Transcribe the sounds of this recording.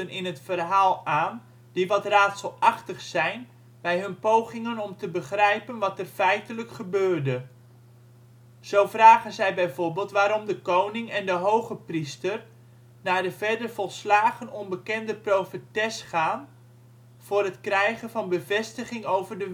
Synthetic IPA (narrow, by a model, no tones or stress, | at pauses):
ənɪnɦətfərɦaːlˠaːn | diʋɑtraːtsəlˠɑχtəχsɛjn | bɛjɦɵnpowχɪŋənɔmtəbəχrɛjpənʋɑtɛrfɛjtələkχəbøːrdə | z̥owvraːχənzɛjbɛjvʊːɹbɪːlˠtʋaːɾɔmdəkownɪŋɛndəɦowχəpristər | naːɹdəvɛɹdərvɑlˠslaːχənɔnbəkɛndəprowfətɛsχaːn | v̥ʊːrɦətkrɛjχənvɑnbəvɛstəχɪŋowvərdə